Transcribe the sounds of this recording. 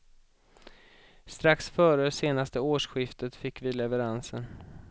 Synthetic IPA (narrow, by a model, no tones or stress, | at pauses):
st̪ɾaksfœːɾəseːnast̪əoːʂɧɪft̪ət̪fɪkːvɪlɛvəɾansə̰n